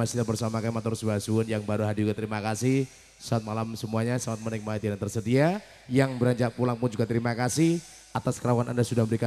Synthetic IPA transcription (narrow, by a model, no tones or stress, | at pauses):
asit̪abərsamakamat̪ɔɾusbasunjaŋbaɾuɦadid͡ʒuɡat̪əɾimakasɪh | saat̪̚malamsəmuaɲasaŋat̪̚mənɪk̚maat̪iant̪ərsədia | jaŋbəɾaɲd͡ʒaʔpulaŋpʊnd͡ʒuɡat̪əɾimakasɪh | at̪askəɾawanʔa̰ndasudahbəɾika